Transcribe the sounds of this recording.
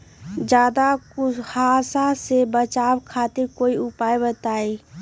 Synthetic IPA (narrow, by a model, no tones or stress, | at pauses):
d͡ʒjaːd̪akʊhaːsasebət͡ʃaːwkʰaːt̪ɪɾkoːiʊpaːebət̪aːe